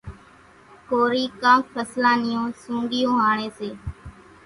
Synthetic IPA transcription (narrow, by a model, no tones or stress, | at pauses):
koːɾiːkãːkpʰəslãːnɪjõːsũːŋɡɪjõːɦaːɳeːseː